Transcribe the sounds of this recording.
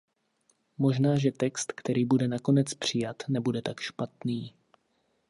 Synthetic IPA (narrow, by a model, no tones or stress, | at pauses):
mo̞ʒnaːʒɛt̪ɛkst̪kt̪ɛɾiːbudɛnako̞nɛt͡spr̝̥ɪjat̪nɛbudɛt̪akʃpat̪niː